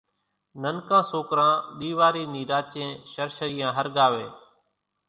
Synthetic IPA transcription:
nənkãːsoːkɾãːɗ̪iːʋaːɾiːniːɾaːt͡ʃẽːʃəɾʃəiːjãːɦəɾɠaːʋeː

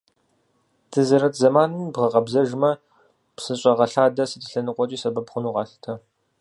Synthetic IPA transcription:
tʰɨzɐɾɐtʰzɐmaːnɨmbʁɐqɐbzɐʒmɐ | psɨɕʼɐʁɐɬaːdɐsɨtʰɨɬɐnɨqʷʼɔt͡ʃʼiːsɐbɐpχʷʊnuːʁɑːɬɨ̥tʰɐ

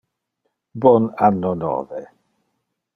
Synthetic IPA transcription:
bɔnanɔnɔ̰ːvɛ

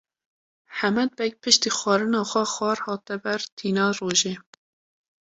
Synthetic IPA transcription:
ħæmɛd̪̚bɛk̚pʰɨʃt̪iːxʷwɑːɾɨnɑːxʷɛxɑːɾhɑːt̪ɛbæɾt̪ʰiːnɑːroːʒeː

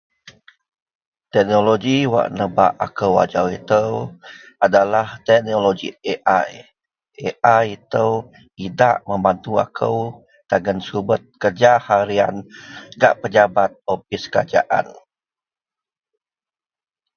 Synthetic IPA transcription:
t̪ɛk̚noloɡiwa̰ʔnəba̰ʔakəwa̰d͡ʒawit̪əw | adalaht̪ɛʔ̚noloɡḭeʔaj | ʔeʔajit̪əw | idaʔməmbant̪ua̰kʰəw | t̪aɡənsubət̪̚kərd͡ʒahaɾia̰nɡa̰ʔpəd͡ʒabat̪̚opiskəɾa̰d͡ʒa̰ʔa̰n

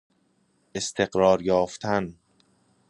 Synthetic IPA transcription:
ʔe̞st̪ʰe̞ɢɾɒːɾjɒːft̪ʰæn

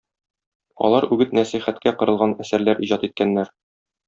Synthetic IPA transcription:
ɒ̰lˠɑɾʉɡɘt̪næsiχæt̪kæqɤ̆ɾɤ̆lˠʁɑnæsæɾlæɾiʑɑt̪it̪̚kænːæɾ

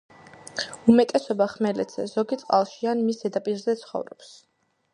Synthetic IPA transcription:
umɛt̪ʼɛsɔbaχmɛlɛ̰t̪z̥ʰɛ̰zɔɡit̪sʼqʼa̰lˠʃianmisdɛd̪apʼiɾzɛt̪sʰχɔ̰vɾɔps

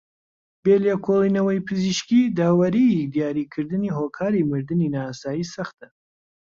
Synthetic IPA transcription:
beːlekʰolˠiːnɐwɐjpʰɨziʃkid̪aːwɐɾiid̪ijaːɾikʰɨɾd̪ɨniːɦokʰaːɾimɨɾd̪ɨninasaːjiːsɐxt̪ə

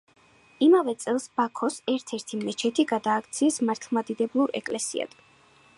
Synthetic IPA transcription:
imavɛt̪sʼɛlˠsb̥akʰɔsɛɾt̪ʰɛɾt̪ʰimɛt͡ʃʰɛt̪ʰiɡad̪aːk̚ʰt̪sʰiːsmaɾt̪ʰlˠmad̪id̪ɛblˠuɾɛ̰kʼlɛsḭa̰d̪̥

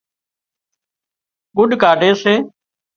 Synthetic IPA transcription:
ɡʊɗkaːɖeːseː

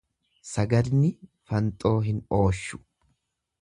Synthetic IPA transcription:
sɐɡɐd̪nɪ | fɐnt̪ʼo̞ːɦɪno̞ːʃːʊ̥

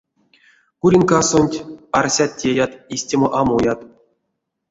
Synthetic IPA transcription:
kuɾʲinʲkasonʲtʲarsʲat̪̚tʲːejat̪isʲtʲemoʔamujat̪

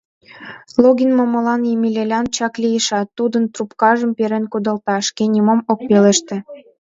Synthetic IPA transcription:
loɡʲinmomə̆lɑnjimʲilʲelʲɑnt͡ɕɑklijəʃɑt̪ːud̪ənt̪rupkɑʒə̆mpeɾenkud̪ə̆lt̪ɑʃkenʲimomok̚peleʃt̪ĕ

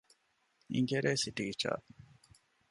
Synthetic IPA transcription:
ḭŋɡeɾeːsiʈiːt͡ʃa̰ː

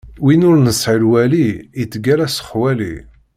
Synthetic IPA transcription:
winʊɾnəsʕəlwæliːit͡sːɡæɾæsə̥χwælḭ

